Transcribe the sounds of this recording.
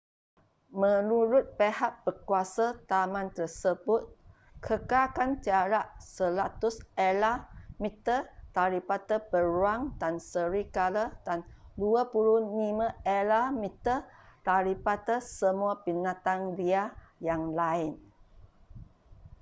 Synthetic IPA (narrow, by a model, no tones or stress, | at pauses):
mə̃nuɾʊt̪̚pehaʔbəkuasat̪amãnt̪ərsəbʊt̪̚ | kʰəkakant͡ʃaɾaʔsəlat̪ʊselamit̪ət̪aɾipat̪əpəɾwaŋdansəɾikalədanduəpuɾunimə̃elamit̪ət̪aɾipat̪əsəmuapinãt̪andiajaŋlaɪn